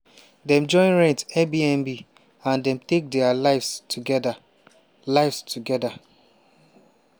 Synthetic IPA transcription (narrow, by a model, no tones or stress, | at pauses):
dɛ̃md͡ʒɔ̃ɪ̃nɹɛ̃ntɛbiɛ̃mbi | ãndɛ̃mtek̚dɛalaɪfstuɡɛda | laɪfstʰuɡɛda